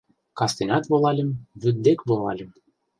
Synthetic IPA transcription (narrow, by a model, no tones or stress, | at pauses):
kɑst̪enʲɑt̪βolˠɑlʲĕmβyd̪̚d̪ekβolˠɑlʲɘ̆m